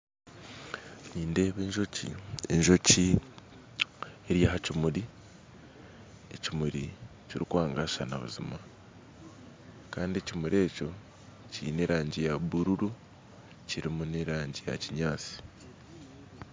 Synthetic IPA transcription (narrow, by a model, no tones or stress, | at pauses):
ɲiːnde̞ːβe̞ːɲʒo̞cḭe̞̰ɲʒo̞ci | eɾjaɦacimuɾi | e̞̰cimuɾḭ | ciɾikwaːŋɡaʃana̰βṵzima | kaːndie̞cimuɾe̞ːco̞ | cḭne̞ɾaːɲɟijaβuɾuɾu | ciɾimuneɾaːɲɟija̰ciɲaːt͡si̥